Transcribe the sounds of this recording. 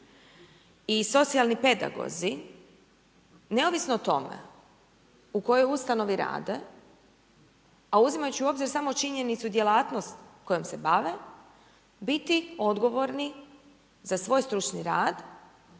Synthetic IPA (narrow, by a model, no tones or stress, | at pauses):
iso̞t̪sialˠnipe̞d̪a̰ɡo̰zi | ne̞oʋisnoot̪o̞̰mḛ | uko̞jo̞just̪ano̞ʋiɾa̰ːd̪e̞ | auzimajut͡ɕiuo̞ːbziɾsamot͡ʃiɲe̞nit̪sud̪jelaːt̪no̞st̪ko̞jomsebaʋe | bit̪io̞d̪ɡo̞ʋo̞ɾni | zasʋo̞ːjst̪ɾut͡ʃniɾaːd̪